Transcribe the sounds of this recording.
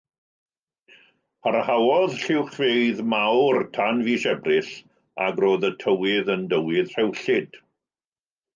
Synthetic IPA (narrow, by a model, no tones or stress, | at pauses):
pʰaɾahawɔðɬɪwχvejðmawrtʰanviːʃɛbrɪɬ | a̰ɡroːðətʰəwɪðəndəwɪðr̥ɛwɬɪd̥